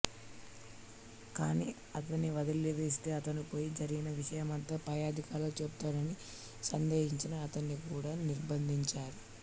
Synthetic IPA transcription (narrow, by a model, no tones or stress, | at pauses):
kaːnḭ | ɐt̪ɐnːiʋɐd̪ɐlːiʋeːst̪e̞ːɐt̪ɐnipo̞ːjid͡ʒɐɾiɡinɐʋiʂɐjɐmɐnt̪ɐpɐjaːd̪ikaːɾlɐt͡ʃebt̪aːɾɐni | sɐnd̪eːɦiɲt͡ʃinɐːt̪ɐnːikuːɽaːniɾbɐnd̪ʱiɲt͡ʃaːɾu